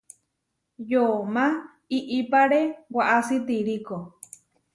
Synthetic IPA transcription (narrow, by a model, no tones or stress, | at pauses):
jomã | iʔipaɾewaʔasit̪iɾiko